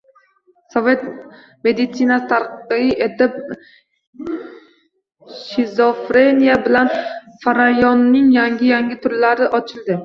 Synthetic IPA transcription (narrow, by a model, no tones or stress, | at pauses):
sove̞t̪ | me̞d̪ɪt̪sinasɨt̪ʰaɾqqɨɪʔet̪ɪp̚ | ʃizofɾenijabɪlanfaɾajɒnːɪŋjaŋɡʲɪjaŋɡʲɪt̪ʰʊɾlaɾɪʔɒt͡ʃʰɪlˠd̪ɪ